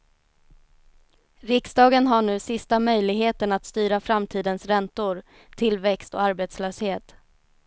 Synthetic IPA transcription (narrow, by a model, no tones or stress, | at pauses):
ɾɪksd̪ɑːɡənɦaɳʉ̟ːsɪst̪amœjlɪɡɦeːt̪əɳat̪st̪yːɾafɾamt̪ʰiːd̪ənsɾɛnt̪ʊɾ | t̪ʰɪlvɛkst̪ɔ̰aɾbeːt̪sløːsheːt̪